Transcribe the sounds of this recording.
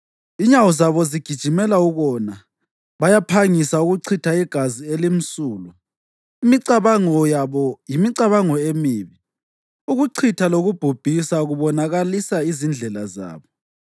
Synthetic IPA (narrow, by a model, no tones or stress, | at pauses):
iɲawɔzaβɔziɡ̥ʱid̥ʒ̥ʱimɛlauɣɔna | βajapʰaŋisauɣuǀʰitʰaɛɡ̥ʱazielim̩suːlu | imiǀaβaŋɔjaβɔjimiǀaβaŋɔemiːβi | uɣuǀʰitʰaloɣub̥ʱub̥ʱisaɣuβɔnaɣalisaizind͡ɮʱɛlaza̰ːβɔ